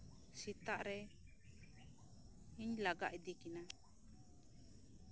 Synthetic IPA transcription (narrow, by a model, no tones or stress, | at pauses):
sit̪aʔɾɛ | iɲlaɡa̰ʔd̪ikɛna